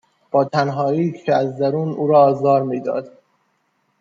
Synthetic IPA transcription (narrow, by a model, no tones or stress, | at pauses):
b̥ɒːt̪ʰænɦɒːiːcʰeæzd̪æɾuːnʔuːɾɒːzɒːɾmiːd̪ɒ̰ːd̪